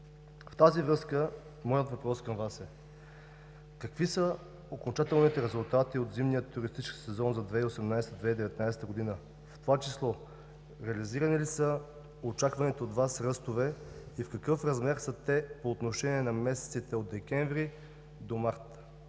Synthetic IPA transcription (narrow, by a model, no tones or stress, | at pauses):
ft̪azivɾɤskə | mɔjət̪vɐpɾɔskɐmvasɛ | kɐkvisə | okont͡ʃat̪ɛlˠnit̪ɛɾɛzulˠt̪at̪iot̪zimnijət̪ːuɾist̪it͡ʃki̥sɛzɔnzɐd̪vɛiosɛmnajsɛ̥t̪əd̪vɛid̪ɛvɛt̪najsɛ̥t̪əɡod̪inə | ft̪ovat͡ʃislˠɔ | ɾɛɐliziɾənilisə | ot͡ʃakvɐnɛt̪oːd̪vasɾəst̪ovɛ | ifkɐkɤfɾɐzmɛɾsət̪ɛpoːt̪noʃɛniɛnɐmɛsɛ̥t̪sit̪ɛod̪ɛkʲɛɱvɾi | d̪omaɾt̪